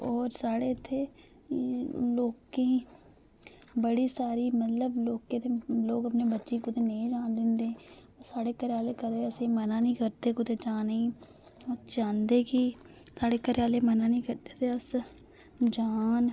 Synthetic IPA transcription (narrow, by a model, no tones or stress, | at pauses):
ɔːɾsaːɽet̪ʰeː | loːkẽ | bəɽiːsaːɾiːmət̪ləbloːkːet̪ʰeloːɡəpnebətːʃiːkʊt̪ʰeneĩd͡ʒaːnd̪ɪ̃nd̪ẽɔsaːɽeːkəɾjaːleːkəd̪eəsẽmənaːnĩːkəɾt̪eːkʊt̪eːd͡ʒaːneĩ | ɔd͡ʒãːnd̪eːki | saːɽeːkəɾjaːlemənaːnĩːkəɾt̪eːt̪ʰeəs | d͡ʒaːn